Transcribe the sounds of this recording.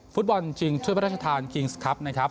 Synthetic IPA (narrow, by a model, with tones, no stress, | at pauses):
fu˦˥t̪̚bɔ˧nt͡ɕi˧ŋt͡ɕʰu˥˩pʰa˦ɾaː˥˩t͡ɕa˧t̪ʰaː˧nkʰi˧ŋskʰa˦˥p̚na˦˥kʰɾa˦˥p̚